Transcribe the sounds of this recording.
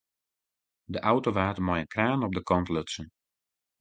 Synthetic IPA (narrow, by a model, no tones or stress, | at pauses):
dəʔawtoʋaːtəmɔjənkraːnɔp̚dəkɔntløtsən